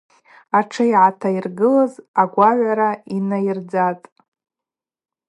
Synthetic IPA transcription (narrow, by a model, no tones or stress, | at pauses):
aʈ͡ʂʰɨiʕatʰairɡɨlazaɡʷaʕʷaɾainajird͡zatʼ